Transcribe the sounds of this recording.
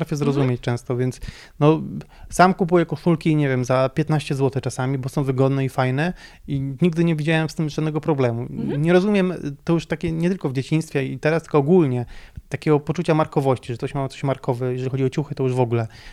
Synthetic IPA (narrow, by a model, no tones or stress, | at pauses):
t̪ɾafʲjɛzɾɔzumʲet͡ɕt͡ʂɛ̃w̃st̪ɔvʲjɛnt̪s | nɔsamkupujɛkɔʂulkʲiɲɛvʲjɛmzapʲjɛt̪naɕt͡ɕɛzwɔt̪ɛt͡ʂasamʲibɔsɔ̃w̃vɘɡɔd̪nɛifajnɛ | iɲiɡd̪ɘɲɛvʲid͡ʑawɛmst̪ɘmʐad̪nɛɡɔpɾɔblɛmuɲɛɾɔzumʲjɛmt̪ɔjuʂt̪akʲɛɲɛt̪ɘlkɔvd͡ʑet͡ɕiñst̪fʲjɛit̪ɛɾast̪ɘ̥l̥kɔːɡulɲɛt̪akʲɛɡɔpɔt͡ʂut͡ɕamaɾkɔvɔɕt͡ɕiʐɛt̪ɔɕmat̪sɔ̥ɕmaɾkɔvɛjɛʐɛlixɔd͡ʑiɔt͡ɕuxɘt̪ɔjuʐvɔɡulɛ